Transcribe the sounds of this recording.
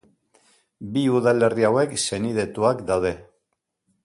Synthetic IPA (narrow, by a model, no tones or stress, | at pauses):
biuðale̞riawe̞kse̞nið̞e̞t̪uakd̪awð̞e̞